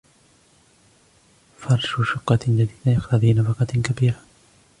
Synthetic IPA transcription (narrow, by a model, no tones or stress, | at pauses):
fɑɾˤʃʊʃʊqːɑd͡ʒad̪iːd̪ajaxɾɑðinafɑqɑkabiːɾa